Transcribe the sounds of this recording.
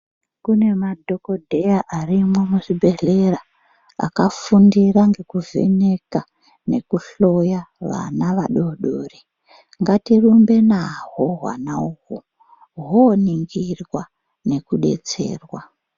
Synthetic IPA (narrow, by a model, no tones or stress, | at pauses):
kune̞madʱokodʱejaʔarimwemuʐibʱe̞ɮe̞ra | a̰kafundiraŋɡe̞kuvḛne̞ka | ne̞̰kuɬo̞jaʋa̰naʋaɗo̞ɗoːri | ŋɡatirumbe̞naɦoɦwa̰nauku | ɦoniŋɡirwa | ne̞kuɗe̞̰t͡se̞̰ːrwa